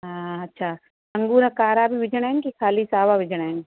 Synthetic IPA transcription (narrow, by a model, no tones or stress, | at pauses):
ɦaːɐtːʃʰaː | ɐ̃ŋɡuːɾɐkaːɾaːbʱiʋɪd͡ʒɽ̃enkikʰaːlisaːʋaʋɪd͡ʒɽ̃eːn